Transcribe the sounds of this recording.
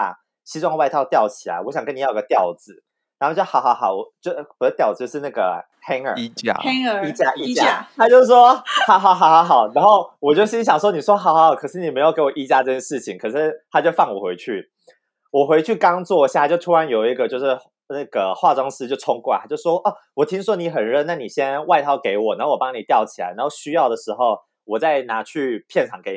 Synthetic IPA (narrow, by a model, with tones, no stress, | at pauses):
a̰˨˩ | ɕi˧˥wɑ˥˧ŋwa˥˧ɪt̪ʰɑ˥˧ʊt̪jɑ˥˩ʊt͡ɕʰi˨˩a̰˧˦wɔ˧˦ɕjɑ˨ŋkə˦ni˨ji˧˥ɡə˧t̪jɑ˥˩ʊd͡zɹ̩˨˦ | ɻa˨˧˥o˥˧t͡ɕjo˥˩xɑ˨˥ʊxɑ˧˥ʊxɑ˨˩ʊɔ˨˩t͡ɕo˥˩wɔ˨˩d̪ə˦t̪jɑ˥˩ʊd͡z̩˨˩t͡ɕjʂɻ̩˥˧na˥˩ɡə̰˩ | hɛ˥ŋə̰˞˨i˥t͡ɕa̰˥˧˩i˥t͡ɕja˥˧i˥t͡ɕja˥˧a˥t͡ɕjo˥˧ʊʂ̩˥˩ʂwɔ˥ha˧˥˦xɑ˨˩ʊxɑ˨˩ʊxɑ˧˥ʊxɑ˨˩ʊna˧˥nxo˥˩ʊwɔ˨˩t͡ɕjo˥˩ʊɕi˥ŋɕ̬jɑ˨˩ŋʂwɔ˥ni˨˩ʂwɔ˥xɑ˨˥ʊxɑ˧˦ʊɑ˨˩ʊkʰɤ˨˩ʂɻ̩˥˩ni˨˩me˧˥ɪjʊke˧˥wɔ˨˩ʔi˥t͡ɕja˥ʈ͡ʂɤ˥˧˩t͡ɕjɛ˥nʂɻ̩˥˩t͡ɕʰi˨˦ŋkʰɤ˨˩ʂɻ̩˥˩t̪ʰa˥t͡ɕjo˥˧ʊfɑ˥˩ŋwɔ̰˨˩xwe˧˥ɪt͡ɕʰy˥˩ | wɔ˨˩xwe˧˥ɪt͡ɕʰy˥˩kɑ˥ŋt͡swɔ˥˧ɕja˧˩t͡ɕo˥˧ʊu˥ɻa˧˥njo˨˩ʊi˧˥ɡə˧t͡ɕjo˥˧ʊʂɻ̩˥˧ | na˥˩ɡə˩xwa˥˩ʈ͡ʂwɑ˥ŋsɹ̩˥t͡ɕjo˥˩ʊʈ͡ʂʰʊ˥ŋkwa̰˥˩a˥t͡ɕjo˥˩ʊ˩ʂwɔ˥ʔə˥˩wɔ˨˩t̪ʰi˥ŋʂwɔ˥ni˧˥xə˨˩nɻə˥˧na˥˩ni˨˩ɕjɛ˥nwa˥˧ɪt̪ʰɑ˥˩ʊke˧˥ɪwɔ˨˩na˧˥xwɔ˨˩pɑ˥ŋni˨˩t̪jɑ˥˩ʊt͡ɕʰi˨la̰˧˦ɪna˧˥xo˥˩ʊɕy˥jɑ˥˩ʊd̪ə˩ʂɻ̩˧˥xo˥˧ʊ | wɔ˨˩t͡sa˥˩ɪna˧˥t͡ɕʰy˥˧pʰjɛ˥˩nʈ͡ʂʰɑ˨˩ŋke˧˦ɪ˩